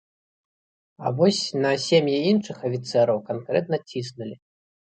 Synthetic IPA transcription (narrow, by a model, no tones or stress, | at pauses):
ɐ̰vɔsʲnɐsʲemʲjɛinʂɨxɐfʲit̪sɛɾɐwkankɾɛt̪̚nɐt͡sʲisnulʲi